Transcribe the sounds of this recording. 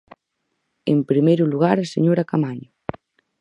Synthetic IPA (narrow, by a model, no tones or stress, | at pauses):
ḛmpɾimejɾuluɣaɾaseɲoɾakamaɲʊ